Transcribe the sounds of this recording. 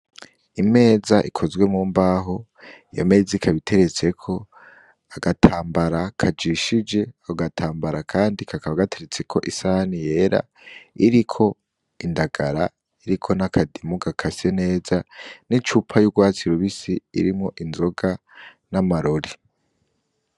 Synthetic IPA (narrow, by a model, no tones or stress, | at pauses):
ime̞ːzaʔikʰo̞zɡwe̞muːmbaɦo | jame̞ːzikʰaβitʰe̞ɾe̞t͡se̞kʰo̞ | aɡatʰaːmbaɾakʰad͡ʒiʃid͡ʒe̞aoɡatʰaːmbaɾakʰaːndikʰakaβaɡatʰe̞ɾet͡se̞kʰo̞̰ʔisanije̞ːɾa̰ | iɾikʰo̞ | indaɡ̥aɾa | iɾikʰo̞nakʰadimuɡakʰasene̞ːzanit͡ʃupʰajuɡwaːt͡siɾuβisiḭɾimŋo̞ʔinzo̞ɡa | namaɾoɾi